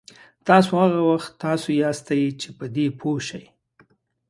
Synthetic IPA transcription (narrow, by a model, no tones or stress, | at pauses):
t̪ɑsohaɣawaxt̪ːɑsojɑst̪ajit͡ʃepəd̪epʰoʃaj